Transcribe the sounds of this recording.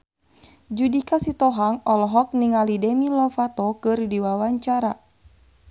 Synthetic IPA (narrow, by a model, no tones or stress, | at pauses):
d͡ʒudikasit̪ɔɦaŋɔlɔɦɔk̚niŋalidɛmilɔfat̪ɔkɨrdiwawaɲt͡ʃaɾa